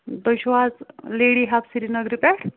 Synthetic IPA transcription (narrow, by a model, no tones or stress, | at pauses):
d̪ojɕʋad͡zleɽiɦapsiɾinəɡɾipɛʈʰ